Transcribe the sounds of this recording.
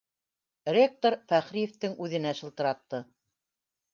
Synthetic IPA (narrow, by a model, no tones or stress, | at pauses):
rʲek̚t̪oɾfæχɾijĕft̪ɘŋʉðɘ̆næʃɤ̆lˠt̪ɤ̆ɾɑt̪ːɤ